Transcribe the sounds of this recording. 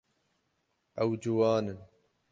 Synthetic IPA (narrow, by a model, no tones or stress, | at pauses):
ʔɐwd͡ʒuwaːnən